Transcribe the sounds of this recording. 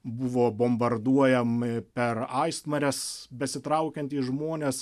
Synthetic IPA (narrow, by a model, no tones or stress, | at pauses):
bʊʋoːboːmbɐɾd̪uɔjɛmɪpʲɛɾɐɪst̪mɐɾʲesbʲɛsʲɪt̪ɾɐʊkʲɛnt̪iʒmoːnʲeːs